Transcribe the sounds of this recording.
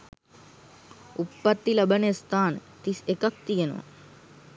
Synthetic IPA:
upːɐt̪ːilɐbɐnest̪aːnt̪isekɐk̚t̪ijɐno̰

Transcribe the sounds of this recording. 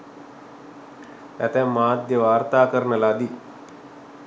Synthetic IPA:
ɛt̪ɛmaːd̪jəʋaːɾt̪aːkəɾnəlad̪i

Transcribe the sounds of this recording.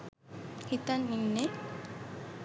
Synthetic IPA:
hit̪anːinːe

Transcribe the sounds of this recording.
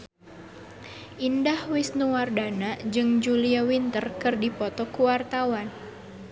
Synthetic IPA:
ʔindahwisnuwardanad͡ʒɨŋd͡ʒuliawint̪ərkɨrdipɔt̪ɔkuwart̪awan

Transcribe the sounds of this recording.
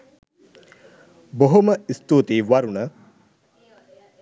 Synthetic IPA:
boɦoməist̪uːt̪eːʋɐɾunə

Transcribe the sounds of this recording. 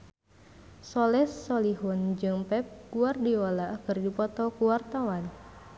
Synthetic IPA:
sɔlɛsːɔliɦund͡ʒɨŋpɛp̚ɡ̥uardiɔlaʔkɨrdipɔt̪ɔkuwart̪awan

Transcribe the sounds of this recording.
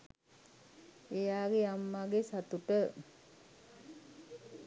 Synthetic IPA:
ejaːɡejamːaɡesat̪uʈə

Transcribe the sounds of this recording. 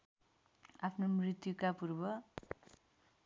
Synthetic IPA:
apʰnomrit̪jukapurbʌ

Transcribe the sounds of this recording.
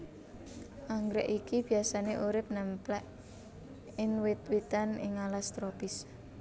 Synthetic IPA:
ʔaŋɡɾɛʔikib̥iasaneʔuɾɪp̚nɛmplɛʔ | ɪnwɪt̪wit̪anɪŋalast̪ɾopɪs

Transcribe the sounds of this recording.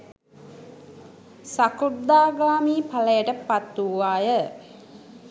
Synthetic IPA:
sakurd̪aːɡaːmiːpaləjəʈəpat̪ːuʋaːjə

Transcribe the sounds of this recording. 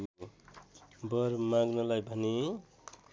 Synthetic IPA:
bʌɾmaɡnʌlajbʱʌne

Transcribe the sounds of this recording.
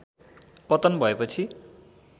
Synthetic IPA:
pʌt̪ʌnbʱʌepʌt͡sʰi

